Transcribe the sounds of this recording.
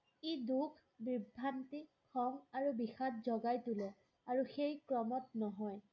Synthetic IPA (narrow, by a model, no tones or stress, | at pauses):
idukʰ | bɹibʱːantikʰɔŋaɹubixatzɔɡajtulɛ | aɹuxejkɹɔmɔtnɔɦɔj